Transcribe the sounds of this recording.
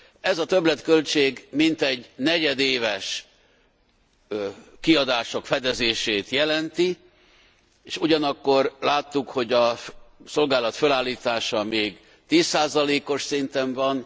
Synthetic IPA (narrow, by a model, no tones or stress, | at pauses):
ɛzɒt̪ø̞blɛt̪kø̞lt͡ʃeːɡmint̪ɛɟnɛɟɛd̪eːvɛʃ | kiɒd̪aːʃo̞kfɛd̪ɛzeːʃeːt̪jɛlɛnt̪i | eːʃuɟɒnɒkːo̞rlaːt̪ːukho̞ɟɒso̞lɡaːlɒt̪følaːlːiːt̪aːʃɒmeːɡ | t̪iːsːaːzɒleːko̞ʃsint̪ɛɱvɒn